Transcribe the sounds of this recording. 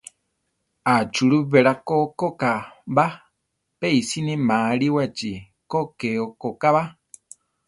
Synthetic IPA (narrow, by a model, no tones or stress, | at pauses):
at͡ʃuɺuvɛɺakokɔkaba | peisinĩmaːɺiwat͡ʃi | kɔkɛɔkɔkaβa